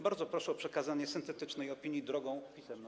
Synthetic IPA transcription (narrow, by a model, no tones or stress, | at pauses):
baɾd̪zɔpɾɔʂɛɔpʂɛkazaɲɛsɘnt̪ɛt̪ɘt͡ʂnɛjɔpʲiɲjid̪ɾɔɡɔ̃w̃pʲisɛmn